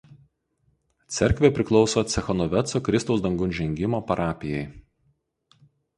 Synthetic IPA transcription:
t̪sʲɛɾʲkʋʲeːˑpʲɾʲɪklˠɒʊsoːt̪sʲɛxɔnɔʋʲɛt̪soːkɾʲɪst̪ɔʊsd̪ɐŋɡʊnʲʒʲɛŋʲɡʲɪmoːpɐɾʔɑːpʲɪjɛɪ

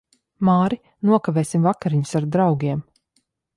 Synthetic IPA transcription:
maːɾi | nuɔkaveːsimvakaɾiɲu̥saɾd̪ɾawɡʲiɛm

